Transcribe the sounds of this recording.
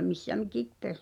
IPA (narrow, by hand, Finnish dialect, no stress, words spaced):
misːæ mikip pes